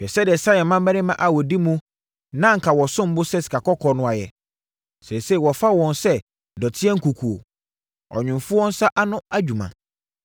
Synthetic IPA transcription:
bɛ˨sɛ˦dɪ˨ɛ˨sa˦jɛ˨mã˦m˦bæ˦nɪ̃˦mã˨ʔa˨wɔ˨di˦mũ˦ | nã˦ŋ̩˨kʰa˨wɔ˨sʊ̃˦m̩˦bʊ˦sɛ˦si̥˨kʰa˨kɔ˦kʰɔ˨nʊ̃˦a˨jɛ̰˨ | sɛ˨se˦˨wɔ˨fa˦wɔ̃˨nsɛ˦ | dɔ˨tʰɪ˦ɛ˦ŋ̩˦ku˨kʰu˨o̰˨ | ɔ̰˨ɲᶣʊ̃˨mfʊ˦wɔ̃˦n˦sa˦ʔa˦nʊ̃˦a˦d͡ʑᶣu˨mã̰˨

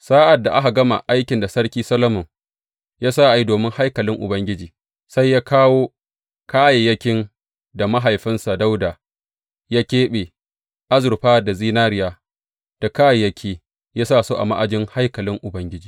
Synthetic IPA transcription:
saː˦ʔa˨dːa˨ʔa˦ɦa˨ɡɐ˦ma̰˨ʔa˦jkʲɪ˨nda˨sɐ˦ɽkʲiː˦sɐ˦lɐ˦mʊ˨ŋ | jaː˦saː˦ʔa˨ji˦doː˨mɪ˦ŋha˦jkɐ˨lɪ˦ŋʔʊ̰˨bɐ˦ŋɡʲɪ˦d͡ʒiː˨ | sa˦jːaː˦kʰaː˦woː˦ | kaː˦je˨jɐ˦kʲɪ˦n | da˨ma˦ɦa˨jɸɪ˦nsa˨da˦wdaː˨ | jaː˦kʲeː˦ɓeː˨ | ʔa˦zʊ˨ɾɸaː˦da˨ziː˦naː˦ɾɪ˨jaː˦ | d̥a˨kaː˦je˨jɐ˦kʲʰiː˦ | jaː˦saː˦˨soː˦ʔa̰˨ma˦ʔa˨d͡ʒɪ˦ŋha˦jkɐ˨lɪ˦ŋʔʊ˨bɐ˦ŋɡʲɪ˦d͡ʒiː˨

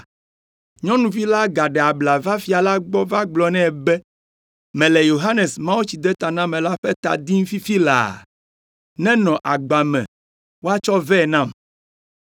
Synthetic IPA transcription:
ɲɔ̃˦nũ˨vi˦la˦ɡa˨ɖɛ˨a˨bla˨va˦fi˨a˨la˦ɡ͡bɔ˦va˦ɡ͡blɔ˨nɛ̃˦˨bɛ˦ | mɛ̃˨lɛ˨jo˨ɦa˦nɛ˨smã˦wu˦t͡ɕi˨d̪ɛ˦t̪a˨nã˦mɛ̃˨la˦ɸɛ˦t̪a̰˨d̪i˦ŋ̩̃˦fi˦fi˦la̰˨ | nɛ̃˦nɔ̃˨ʔa˨ɡ͡ba˨mɛ̰̃˨ | wo˦a˦t͡ʃɔ˦vɛ˦˨nã˦˨m

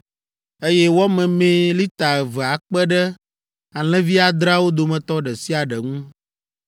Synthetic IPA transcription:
e˦jɛ˦wɔ˦mɛ̃˨mẽ˦li˦t̪a˨ɛ˨vɛ˨a˨k͡pɛ˦ɖɛ˦ | a˨l̃ɛ̃˦vi˦a˨d̪ɾa˦wo˦d̪o˨mɛ̃˨t̪ɔ˦ɖɛ˨si˦a˨ɖɛ˨ŋũ˦

